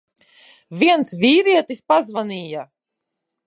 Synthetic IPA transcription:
viɛnt̪svʲiːɾiɛt̪ispazvaniːja

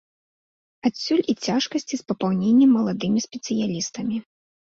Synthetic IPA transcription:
asʲːulʲit͡sʲaʂkɐsʲt͡sʲispɐpawnʲenʲːɛmːɐlˠad̪ɨmʲisʲpʲɛt̪sɨjalʲist̪ɐmʲi

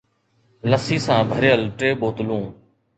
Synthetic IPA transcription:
ləsiːsãːbʱəɾjəlʈeːɓoːt̪lũː

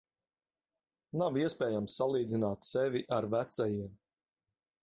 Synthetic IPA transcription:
naviɛspɛːjamsːalˠiːd̪zinaːt̪sɛvʲiʔaɾvæt̪sajiɛm

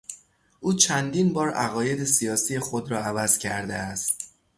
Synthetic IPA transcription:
ʔuːt͡ʃʰænd̪iːnbɒːɾæ̰ɣɒːje̞d̪e̞sijɒːsije̞xod̪ɾɒːævæz̥cʰæɾd̪eæst̪̚

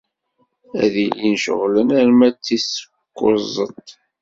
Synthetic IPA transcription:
æ̰ðilinʃə̰ʁlənæɾmæt͡sːisə̥ | kːʊ̰zˤət̪ˤ

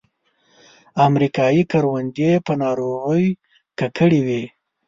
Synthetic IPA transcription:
amɾikɑjikaɾwand̪jepənɑɾoɣəj | kakʰəɽiwi

